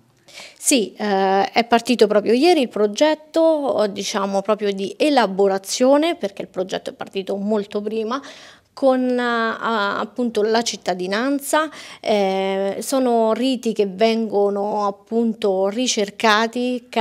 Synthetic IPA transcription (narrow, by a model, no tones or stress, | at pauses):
si | ɛpːart̪iːt̪opɾɔːpɾjojɛːɾiːlpɾod͡ʒɛt̪ːod̪it͡ʃaːmopɾɔːpɾjod̪iʔelaboɾat̪sːjoːneperk̟eilpɾod͡ʒɛ̰t̪ːoɛpːart̪iːt̪omolt̪op̬ɾiːma | kʰon | a̰pːunt̪olat͡ʃit̪ːad̪inant̪saɛsɔːnoriːt̪ikevːɛŋɡonoapːunt̪orit͡ʃerkaːt̪ik